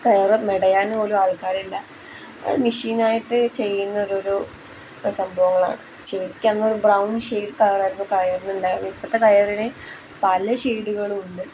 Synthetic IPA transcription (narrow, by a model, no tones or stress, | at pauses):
kɐjɐrɨmeɽɐjaːnoɾuaːɭkaːɾilːɐ̰ | miʂiːnaːjiʈːɨt͡ɕe̞jːunːɐoɾo̞ɾu | sɐmbʱɐʋɐŋːɐɭa̰ːɳɨ | t͡ɕekʲːɐnːɐoɾubrɐwnʂeːʈkɐjɐraːɾumːokɐjɐrnːuɳɖamipːɐt̪ːekɐjɐrine | pɐlɐɕiːɽuɣɐɭuɳɖɨ